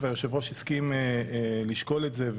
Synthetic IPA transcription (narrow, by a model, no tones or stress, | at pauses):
vajoʃevoʃiskimeliʃko̞letzev